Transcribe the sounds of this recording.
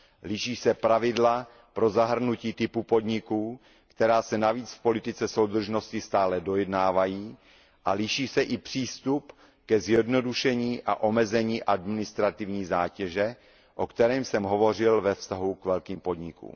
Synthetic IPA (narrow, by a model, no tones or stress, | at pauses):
lɪʃiːsɛpɾavɪdla | pɾo̞zaɦr̩nuciːt̪ɪpupo̞dɲɪkuː | kt̪ɛɾaːsɛnaviːt͡sfpo̞lɪt̪ɪt͡sɛso̞wd̪r̩ʒno̞scɪst̪aːlɛdo̞jɛdnaːvajiː | ʔalɪʃiːsɛʔɪpr̝̥iːst̪up | kɛzjɛdno̞duʃɛɲiːʔa̰ʔo̞mɛzɛɲiːʔadmɪnɪst̪ɾat̪ɪvɲiːzaːcɛʒɛ | ʔo̞kt̪ɛɾɛːmsɛmɦo̞vo̞r̝ɪlvɛfst̪aɦukvɛlkiːmpo̞dɲɪkṵːm